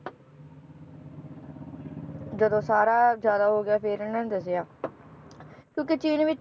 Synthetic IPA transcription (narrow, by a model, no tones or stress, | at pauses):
d͡ʒəd̪õːsaːɾaːzjaːd̪aːɦoːɡɪjaːpʰɪɾɪnãːnːd̪əsɪjaː | kjõːket͡ʃiːnʋɪt͡ʃ